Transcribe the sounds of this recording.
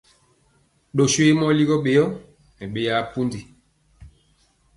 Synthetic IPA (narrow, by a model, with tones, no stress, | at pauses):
ɗo˨swe˦mɔ˦li˦ɣɔ˦ɓe˨jɔ˦ | ɛ˨ɓe˨ja˦pu˦ndi˨